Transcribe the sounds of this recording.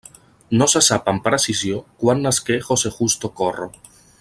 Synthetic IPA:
nosasapampaɾasisjokwanːaskexosexust̪okoro̰

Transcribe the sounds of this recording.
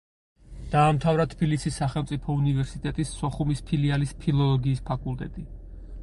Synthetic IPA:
d̪̥aːmt̪ʰavɾat̪ʰbilisisːaχɛlˠmt̪sʼipʰɔunivɛɾsit̪ʼɛt̪ʼisːɔχumispʰilialispʰilˠɔlˠɔɡiːspʰakʼulˠt̪ʼɛ̰t̪ʼi

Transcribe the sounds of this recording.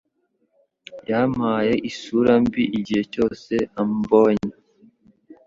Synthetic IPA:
jamaje̞ʔisuɾambiʔiɟihe̞co̞ːse̞ambo̞ːɲe

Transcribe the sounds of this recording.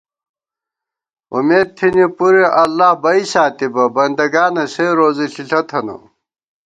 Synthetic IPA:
ṵmeːd̪̚t̪ʰinipuɾeʔɐlːaːhbɐisaːt̪ibɐbɐnd̪ɐɡaːnɐseɾoːziɬiɬɐt̪ʰɐno̰

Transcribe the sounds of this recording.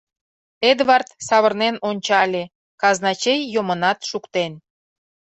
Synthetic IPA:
ed̪βɑrt̪sɑβə̆rnenonʲt͡ɕɑlʲe | kɑznɑt͡ɕejːomənɑt̪ʃukt̪en

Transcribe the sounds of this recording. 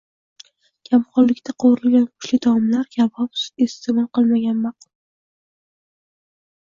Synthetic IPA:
kʲʰamχɒllːɪkʲt̪ʰaqʰowɾɪlɡʲankʰʊ̥ʃlɪd̪awɒmlaɾɡʲavɒpest̪emɒlˠqɨlˠmaɡʲanmaq̚t̪

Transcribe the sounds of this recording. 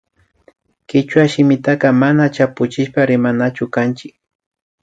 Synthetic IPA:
kɪt͡ʃwaʃɪmɪt̪akɑmanat͡ʃapʊt͡ʃɪʃpaɾɪmanat͡ʃʊkant͡ʃɪk̚

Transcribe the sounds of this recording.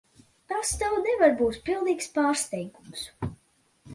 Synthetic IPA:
t̪ast̪awnevaɾbuːt̪pilˠd̪iːkspaːɾst̪ɛjɡums

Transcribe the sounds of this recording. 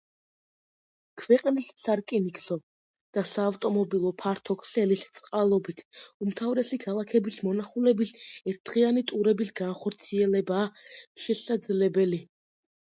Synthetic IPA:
kʰvɛqʼnissaɾkʼinikʰʼsɔ | d̪̥asaːft̪ʼɔmɔbilˠɔpʰaɾt̪ʰɔkʰsɛlist̪sʼqʼalˠɔbit̪ʰumt̪ʰavɾɛsikʰalˠakʰɛbismɔnaχulɛbisɛɾt̪dʁianit̪ʼuɾɛbisɡanχɔɾt̪sʰiɛlɛbaːʃɛsad̪zlɛbɛli

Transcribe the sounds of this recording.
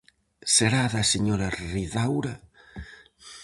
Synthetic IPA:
seɾaðaseɲoɾariðawɾa

